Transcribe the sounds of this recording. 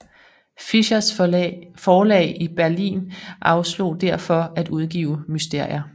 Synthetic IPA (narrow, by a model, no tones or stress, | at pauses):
fiɕɐsfɒːlɛ̰ːɪib̥æɐlḭːnʔɑ̈ʊslo̝̰ːd̥æɐ̰fɒ̽æd̥uð̞ˠɡ̥ḭːʊmysd̥e̝ɐ̰jɐ